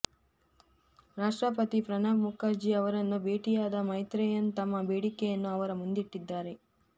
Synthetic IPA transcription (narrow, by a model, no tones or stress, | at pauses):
ɾaːʂʈɾɐpɐt̪ipɾɐnaːbmukaːɾd͡ʒiɐʋɐɾɐnːubeːʈijaːd̪ɐmɐjt̪ɾɛjɐnːt̪ɐmːɐbeːɽikɛjɐnːuɐʋɐɾɐmund̪iʈːid̪ːaːɾe̞